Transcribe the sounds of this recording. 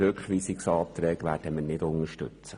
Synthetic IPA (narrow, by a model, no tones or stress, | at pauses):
økχʋiːsiksɑːt̪ɾɛːɡʋæːɾd̥əmənɪdʊnəʃtʏ̰t͡sə